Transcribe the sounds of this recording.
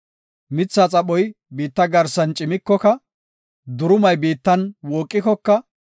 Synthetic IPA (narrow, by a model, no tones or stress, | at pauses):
mɪt͡sːaːt͡sʼɐɓɔjbiːt̪ːɐɡɐɾsɐnt͡ʃʼɪmɪkːɔkɐ | d̪ʊɾʊmɐjbiːt̪ːɐnwoːkʼːɪkɔkːɐ